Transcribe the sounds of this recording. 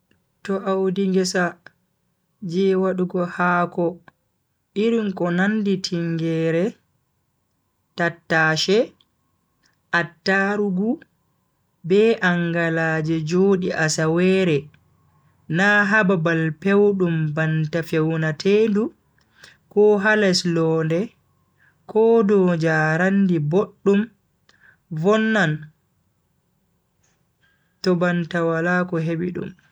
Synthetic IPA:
tɔʔawdiŋɡɛsa | d͡ʒɛwaɗuɡɔhaːkɔ | iɾinkɔnanditʰiŋɡɛːɾɛ | tatːaːʃɛ | ʔatːaɾuɡu | bɛʔaŋɡalaːd͡ʒɛd͡ʒoːɗiʔasawɛːɾɛ | naːɦababalpewɗumbantafewnatʰeːndu | kɔɦalɛslɔːndɛ | kɔːdɔd͡ʒaːɾandiboɗːum | vɔnːan | tɔbantawalaːkɔɦebiɗṵm

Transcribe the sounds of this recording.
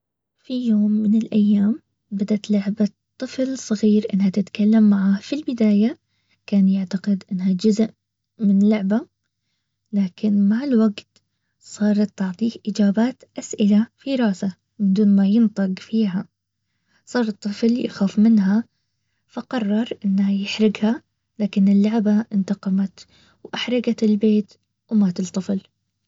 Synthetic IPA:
fijoːmːɪnɪlʔajːaːm | bad̪at̪lʊʕba | t̪ˤːɨflsˤɑɣiːɾʔɪnːhat̪ɪt̪kalːamːaʕafilbɪd̪aːja | kaːnjaʕt̪aqɪd̪ʔɪnːhad͡ʒʊzʔ | mɪnlʊʕba | laːkʰɪnmaʕɪlwaɡt̪ | sˤɑːɾˤɑt̪ːɑʕt̪ˤiːhʔɪd͡ʒaːbaːt̪ʔasʔɪlafiɾˤɑːsa | mɪnd̪uːnmajɪnt̪ˤɨɡfiːɦa | sˤɑːɾˤɨt̪ˤːɨflja̰xaːfmɪnɦa | faqɑrˤːɑɾˤʔɪnːhajɪħɾɪɡha | laːkɪnɪlːʊʕbaʔɪnt̪ɑqɑmat̪ | wʔaħɾˤɑɡat̪ɪlbeːt̪ | wmaːt̪ɨlt̪ˤːɨfl

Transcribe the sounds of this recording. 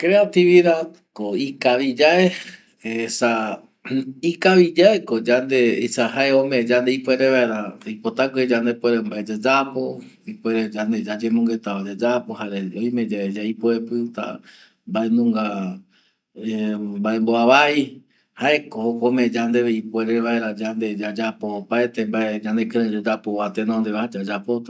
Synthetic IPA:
kɾeat̪iβiðad̪ | koikaβid͡ʒae | esa | ikaβid͡ʒaekod͡ʒand̪eḭsahaeomẽd͡ʒand̪eipweɾeβaeɾaipot̪akoid͡ʒand̪epweɾembaed͡ʒad͡ʒapoipweɾed͡ʒand̪e̞d͡ʒad͡ʒẽmõŋɡet̪aad͡ʒad͡ʒapohaɾeõjmed͡ʒaed͡ʒaipoepɨt̪a̰ | mbaenũŋɡa | embaemboaβai | haekohokomẽd͡ʒand̪eβeipweɾeʋaeɾad͡ʒand̪e̞d͡ʒad͡ʒapoːpaet̪embaed͡ʒãnd̪ekɨ̃ɾẽd͡ʒad͡ʒapoβat̪enõnd̪eβahad͡ʒad͡ʒapot̪a

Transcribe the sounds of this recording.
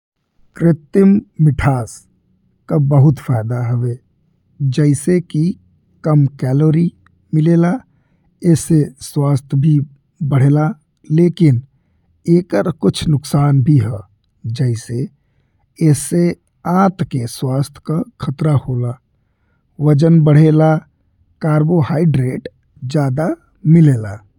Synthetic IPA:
kɾɪt̪ɪmːɪʈʰaːs | kabəɦʊt̪fʰaːɪd̪aɦəʋeː | d͡ʒɛɪseki | kəmkɛːloːɾi | mɪleːla | ɛːseswaːst̪ʰjbʱi | bəɽ̤eːla | leːkɪn | eːkəɾkʊt͡ʃʰnʊksaːnbʱiɦɛː | d͡ʒɛɪse | ɛːse | ãːt̪keswaːst̪ʰj̥kakʰət̪ɾahoːlaː | ʋəd͡ʒənbəɽ̤eːla | kaːɾbohaːɪɖɾeːʈ | d͡ʒjaːd̪a | mɪleːlaː

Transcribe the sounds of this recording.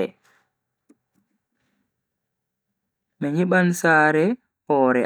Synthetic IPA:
ɛ̰ | mɛɲiɓansaːɾɛ | hɔːɾɛ

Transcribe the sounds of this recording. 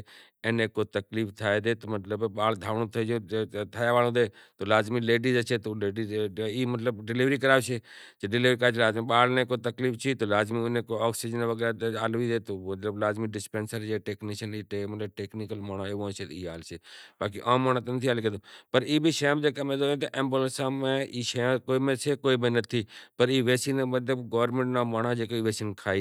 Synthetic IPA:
ẽːnekːot̪ɐkliːft̪ʰaːed̪eːt̪omɐt̪ləbɓaːld̪ʱaːʋɳõt̪ʰɐd͡ʒõt̪ʰaːjaʋaːlõd̪eːt̪olaːzmileːɖizət͡ʃʰeːt̪oleːɖiziːmət̪ləbɖɪlɪʋɾikəɾaːʋt͡ʃʰeːd͡ʒeɖɪlʋɾikɾaːt͡ʃ̪ʰːlaːzmiɓaːlnẽkːot̪ɐkliːft͡ʃʰit̪oːlaːzminekoɔːksid͡ʒənʋəɡɛːɾat̪aːlːʋiːd̪eːt̪omɐt̪ləblaːzmiɖɪspẽːnsəɾd͡ʒeʈeːkniʃəniʈemɐt̪ləb̚ʈeːknɪkəlmaːɳ̃aeʋõːt͡ʃʰet̪iːaːlseːbaːkiʔãːmːaːɳ̃ãt̪enət̪ʰiaːlkəd̪opɐɾiːbʱiʃjãmd͡ʒeːkamẽd̪oẽt̪eʔẽːmbulənsamẽiːʃɐjãkoːimẽt͡ʃʰekoːibẽnɐt̪ʰiːpəɾiːʋeːsinmɐt̪̬ləbɡoːʋɾmẽɳʈnamaːɳ̃ad͡ʒekoiʋeːsinkʰaːi

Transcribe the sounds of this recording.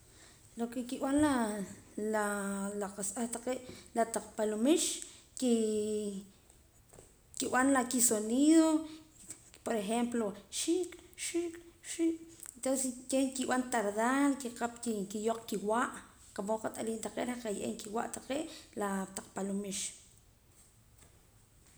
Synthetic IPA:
lokekiɓanla | lalaqasʔaht̪aqeːʔlat̪aq͡χpalumiʃ | ki | kiɓanlakisoniːðo | poɾexemploʃikʼʃikʼʃikent̪onsekekiɓant̪aɾðaːlkiqapkikijoq͡χkiwaːʔ | qapoqat̪ʼaliːnt̪aqḛʔɾaqajʔḛŋkiwa̰ʔt̪aqeːʔlat̪aq͡χpalumiʃ

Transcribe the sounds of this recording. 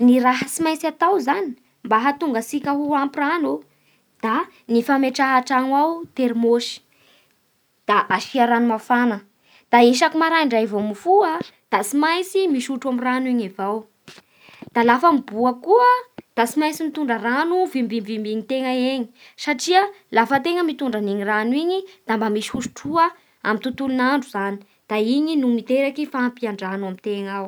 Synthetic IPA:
niɾaɦəsimajt͡sat̪awzani̥ | mbaɦat̪uŋɡəsikʲəɦuampiranu | d̪̥a | nifameʈ͡ʂaɦaʈ͡ʂaŋwawt̪eɾmoʃi̥ | d̪̥aʔafiaɾanumafanə | d̪̥aeʃ̬akumaɾaiɳɖ͡ʐajivomifuad̪̥asimajt͡simiʃuʈ͡ʂamiraniɲevaw | d̪̥alafəmibuakuəd̪̥asimajt͡simit̪uɳɖ͡ʐəranuvimbimvimbiɲit̪eŋəeɲi̥ | saʈ͡ʂiə | lafət̪eŋəmit̪uɳɖ͡ʐaneɲiranwiɲid̪̥ambamiʃi̥huʃu̥ʈ͡ʂuə | a̰mint̪ut̪ulunaɳɖ͡ʐuzani̥ | d̪̥aiɲinumit̪eɾakifaːmpiaɳɖ͡ʐanamit̪eŋaw

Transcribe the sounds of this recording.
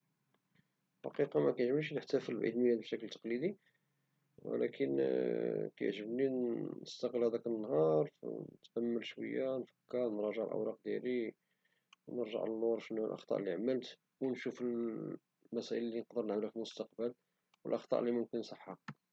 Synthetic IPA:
ħɑ̰qiqɑmækæjʒmʃ̬nəħt̪æfəlbʕḭd̪məæd̪əʃæklət̪ːɑ̥qlid̪i | wə̰læ̰kʰən | kæj̰ʕʒəbniəst̪ɑqəlhæd̪ækənːɦɑɾˤft̪ʔæmːəlʃwə̰jːanfə̥kːəɾˤnɾˤɑʒəʕlʔə̰wɾˤɑq̚d̪jæ̰li | nəɾʒə̰ʕəlːwɑɾˤʃnːælʔɑ̰xt̪ˤɑ̰ʔlːiʕamːəlt̪ | wnʃufəl | mæsæʔəllːinqd̪əɾnəʕməlæfilmʊst̪ɑq̚bəl | wəlʔɑxt̪ˤɑ̰ʔlːimʊmkənsˤəħːɑ

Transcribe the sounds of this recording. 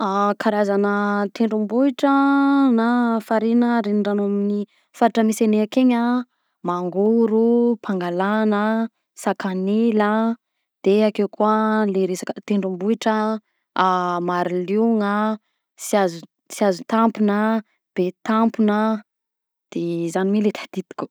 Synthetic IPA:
akʰaɾazanət̪ʰeɳɖ͡ʐumbuiʈ͡ʂənafaɾinəɾeniɳɖ͡ʐanomini | faɾaʈ͡ʂəmiseneakeɲa | maŋɡuɾupʰaŋɡalanə | sakanelə | d̪̥eakewkualeɾesakət̪eɳɖ͡ʐumbuiʈ͡ʂə | maɾiliŋa | siazu | siazut̪ampunə | b̥et̪ampunə | d̪̥ezanimelet̪ʰḁd̪̥it̪i̥kʲu̥

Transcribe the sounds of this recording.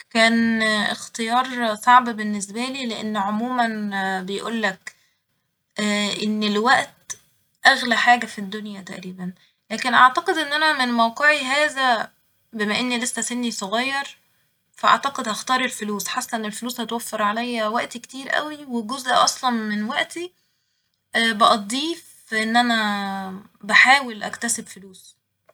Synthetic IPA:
kæːnext̪ejɑːɾˤsˤɑʕbbenːes̬bæliːleʔḛnːʕomuːmænbejʔṵːlːæk | ʔenːelwæʔt̪ | ʔæɣlæħaːɡæfid̪ːonjæt̪æʔɾiːbæn | læːkenʔaʕt̪ɑqed̪ʔenːʔænæmenmæwqeʕiɦæːzæ | bemæʔenːilesːæsenːisˤoɣɑːjːɑɾˤ | fæʔɑ̰ʕt̪ɑqed̪hæxt̪ɑːɾˤelfoluːsħasːæʔenːelfoluːshæt̪wæfːeɾˤʕalæjːæwæʔt̪ike̥t̪iːɾʔæ̰wiweɡozʔʔɑsˤlɑnmenwæʔt̪i | ʔbeʔɑd̪ˤiːf | ʔenːʔænæ | baħaːwelʔæ̰kt̪æsebfoluːs

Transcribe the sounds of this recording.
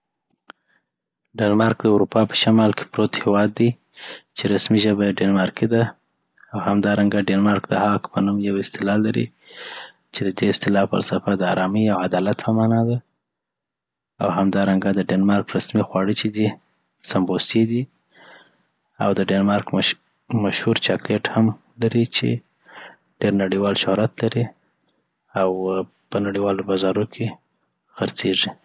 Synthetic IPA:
ɖenmɑɾkd̪əuɾupɑpə̥ʃamɑlke̥pɾot̪hewɑd̪ːi | t͡ʃeɾasmiʒəbaɖenmɑɾked̪a | awhamd̪ɑɾaŋɡaɖenmɑɾkd̪əhɑkpənumjawɪst̪ɪlɑlːaɾḭ | t͡ʃed̪əd̪eɪst̪ɪlɑfə̰ɾsafad̪əɑɾɑmiawad̪ɑlat̪pʰəmɑnɑd̪a | a̰wɦamd̪ɑɾaŋɡad̪əɖenmɑɾkɾasmixwɑɽət͡ʃed̪i | sambosid̪i | a̰wd̪əɖenmɑɾk | maʃhuɾt͡ʃɑkleʈham | laɾit͡ʃḛ | ɖ̥eɾnaɽiwɑlʃohɾat̪laɾi | aw | pənaɽiwɑlobɑzɑɾokʰe | xəɾt͡seʐi

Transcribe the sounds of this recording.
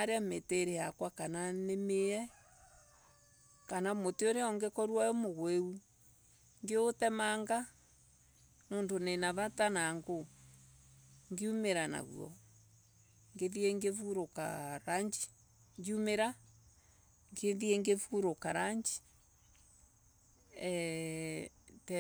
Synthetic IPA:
aɾeameteɾeakwakananemeɛ | kanamoteoɾeɔŋɡekɔɾwaomoɣweu | ŋɡeotɛmaŋɡa | mondonenaβatanaŋɡo | ŋɡeumeɾana̰ɣṵɔ̰ | ŋɡeðiɛŋɡefuɾoka̰ɾaɲd͡ʒi̥ | ɲɡiumeɾa | ŋɡeðiɛŋɡefuɾokaɾaɲd͡ʒi̥ | ɛ | tɛ

